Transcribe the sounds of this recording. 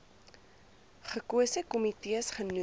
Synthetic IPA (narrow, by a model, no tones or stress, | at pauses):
χəkuəsəkɔmitiəsχənu